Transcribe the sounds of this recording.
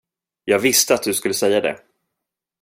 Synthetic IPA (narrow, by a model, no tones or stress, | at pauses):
jɑːɡvɪst̪əat̪̚d̪ɵskɵlːəsɛjːad̪ɛ̰